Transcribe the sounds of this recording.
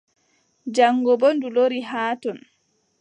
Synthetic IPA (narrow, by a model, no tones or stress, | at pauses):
d͡ʒaŋːɡɔbɔnduloɾiɦaːtɔn